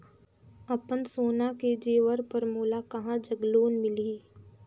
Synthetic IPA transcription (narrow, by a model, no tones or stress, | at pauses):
əpənsoːnaked͡ʒeːʋəɾpəɾmoːlakɐɦãd͡ʒəɡloːnmɪliː